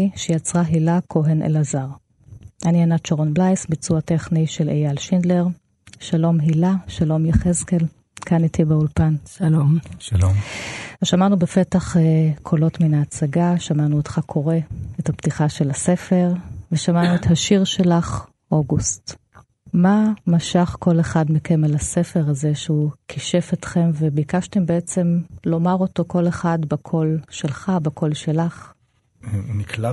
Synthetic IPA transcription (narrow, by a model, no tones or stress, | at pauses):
iʃejat͡sʁaɦilakʰo̞ɦenʔḛlazaʁ | ʔanianat͡ʃoʁonblajsbit͡suateχniʃelejalʃindleʁ | ʃalo̞mɦilaʃalo̞mjaχezkel | kʰanitʰibeulpanʃalomʃloveʃamanubefetaχekʰo̞lo̞tminaːt͡saɡaʃamanuotχakʰo̞ʁeethaptiχaʃe̞lase̞fe̞ʁveʃamanuethaʃiʁʃe̞laχ | ʔo̞ɡust | mamaʃaχko̞leχadmikʰemelasefeʁazeʃeukʰiʃefetχe̞mvebikaʃte̞mbeet͡se̞mlo̞maʁo̞to̞ko̞leχadbakʰo̞lʃelχabakʰo̞lʃelaχ | nikla